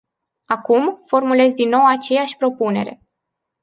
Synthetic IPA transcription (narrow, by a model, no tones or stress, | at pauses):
akumfo̞rmule̞zd̪inːo̞wat͡ʃe̞jaʃʲpɾo̞pune̞̰ɾe̞̰